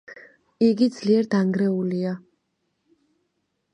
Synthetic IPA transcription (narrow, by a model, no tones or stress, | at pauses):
iɡid̪z̥liɛɾd̪aŋɡɾɛulia